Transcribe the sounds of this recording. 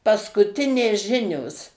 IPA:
pɐskʊˈtʲɪnʲeːs ˈʒʲɪnʲoːs

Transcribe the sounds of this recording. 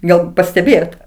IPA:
ˈɡɐlˠ pɐsʲtʲɛˈbʲeːjoːt

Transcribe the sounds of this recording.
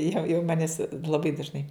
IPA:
jɛʊ jɛʊ ˈmɑːnʲɪs lˠɐˈbɐɪ dɐʒˈnɐɪ

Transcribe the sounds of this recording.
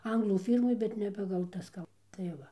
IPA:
ˈɐŋɡlˠuː ˈfʲiːrmoːj ˈbʲɛt nʲɛ pɐɡɐlˠ ˈtɐs kɐlˠ tɐɪ ˈʋɐ

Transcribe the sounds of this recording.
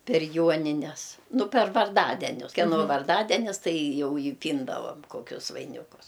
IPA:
pʲɛr ˈjuɔnʲɪnʲɛs ˈnʊ pʲɛr ʋɐrˈdɑːdʲɛnʲʊs kʲɛˈnoː ʋɐrˈdɑːdʲɛnʲɪs ˈtɐɪ ˈjɛʊ ɪ ˈpʲiːndɐʋɐm ˈkoːkʲʊs ʋɐɪˈnʲɪkʊs

